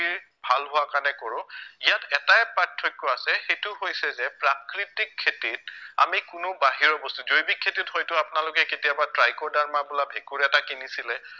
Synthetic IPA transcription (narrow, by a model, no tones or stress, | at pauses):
iɹ | bʱalɦʊwakanɛkoɹʊ̃ijatɛtajpatʰːɔjkːɔasɛxejtʊhojsɛzɛpɹakɹitikʰːetit̚a̰mikʊnʊbaɦiɹɔbɔstuzojbikʰːetithojtʊapʊnalʊkɛketijabatɹajkɔɹdaɹmabulabʱekuɹɛtakinisilɛ